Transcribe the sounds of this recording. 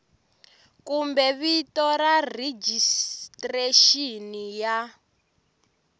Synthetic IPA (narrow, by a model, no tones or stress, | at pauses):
kumbɛβitɔrarid͡ʒistreʃinija